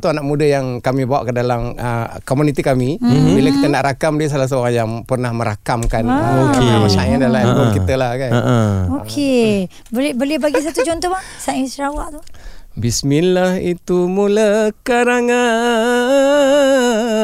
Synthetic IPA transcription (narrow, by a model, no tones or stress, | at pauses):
t̪uanaʔmudajaŋkamibawa̰ʔkədalaməkomunit̪ikamibiləkit̪ənaʔɾakamdiəs̬alas̬əoɾaŋjaŋpərnahmə̃ɾakamkanokemat͡ʃajandalabukit̪əlahkanokʰe | bəlbəliəbaɡis̬at̪ud͡ʒɔnt̪ɔba | saisəɾawaʔt̪ubisminlahit̪umulakaɾaŋa